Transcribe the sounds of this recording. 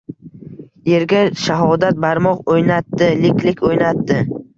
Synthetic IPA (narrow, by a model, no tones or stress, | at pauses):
je̞ɾɡʲaʃaɦɒd̪at̪̚baɾmɒqojnat̪ːɪlɪkʲlɪkʲʰojnat̪ːɪ